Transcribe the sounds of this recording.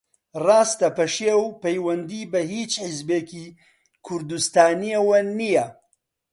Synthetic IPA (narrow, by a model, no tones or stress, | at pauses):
rˤɑːst̪ɐpɐʃeːwpɐjwɐnd̪ibɐhiːt͡ʃħɪzbeːki | kʰʊɾd̪ust̪aːniɐwɐnijɐ